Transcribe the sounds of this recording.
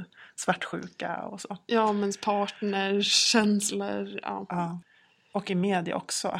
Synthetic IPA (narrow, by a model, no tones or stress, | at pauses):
svaʈːɧʉ̟ːka̰ɔ̰soːjɑːmɛnspʰɑːʈnɛɕɛnsləɾɑ̰ːɑː | ɔkːɪmeːd̪ɪa̰ʔɔksɔ